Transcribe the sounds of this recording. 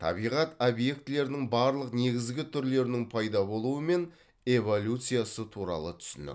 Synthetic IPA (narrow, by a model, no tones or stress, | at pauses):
t̪ʰɑ̰bijʁɑt̪obje̞k̚t̪ɪle̞ɾɪnɪŋbɑɾlˠəqne̞ɡʲɪzɡʲɪt̪ʰʏɾle̞ɾɪnɪŋpʰɑjd̪ɑbo̞lˠuəme̞n | e̞vo̞lʲut̪sɨjasət̪ʰuɾɑ̰lˠət̪ʰʏ̥sɪnɪ̰